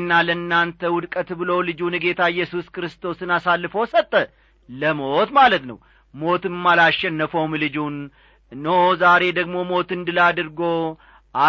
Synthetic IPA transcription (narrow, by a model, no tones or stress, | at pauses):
nːalənːant̪ʰəwʊd̪kʼət̪bɨlolɨd͡ʒunɨɡe̞t̪ʰaɪjːɛsuskɨɾɨst̪ʰo̞sɨnasalːɨfəwsət̪ʼːə | ləmot̪malət̪nə̰w | mo̞t̪ɨmalaʃɛnːəfowmlɨd͡ʒunː | ozaɾe̞d̪əɡmo̞mo̞t̪ɨnd̪ɨlad̪ɨɾɡo̞ | ʔa